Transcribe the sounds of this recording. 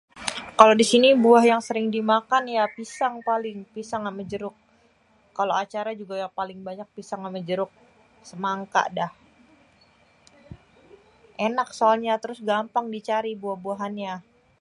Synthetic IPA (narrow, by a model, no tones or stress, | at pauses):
kalodisinibuahjaŋsəɾɪŋdimakanjapisaŋpalɪŋpisaŋaməd͡ʒəɾʊk̚ː | aloat͡ʃaɾad͡ʒuɡajapalɪŋbaɲak̚pisaŋaməd͡ʒəɾʊk̚ | səmaŋka̰dah | ʔenak̚soalɲat̪əɾʊsɡampaŋdit͡ʃaɾibuahbuaɦanɲa